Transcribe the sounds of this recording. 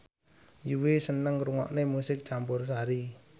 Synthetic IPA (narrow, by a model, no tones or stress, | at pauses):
juwesənəŋɾuŋɔ̰ʔnemusɪk̚t͡ʃambʊrsaɾi